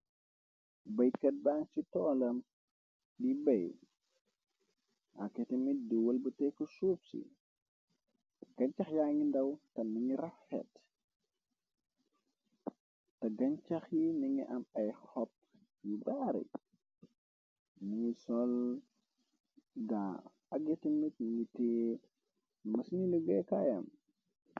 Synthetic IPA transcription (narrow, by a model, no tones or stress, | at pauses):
bɐjkɐt̚baːnsitɔːlɐm | dibɐj | ʔakːɛtɛmiduwɐlbɐtɛkusuːpsḭ | ɡ̥ɐɲt͡ʃɐxjaːŋindɐwtɐniŋiɾɐfːɛ̰t | tɐɡɐɲt͡ʃɐxjiniŋiʔɐmɐjxɔp̚ | jubaɾɛ̰ | niŋisɔl | da | ɐɡetimit̚niŋitɛː | mɐsiniluɡɛkajɐ̰m